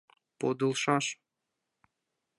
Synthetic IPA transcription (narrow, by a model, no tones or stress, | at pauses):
pod̪ɨlˠʃɑʃ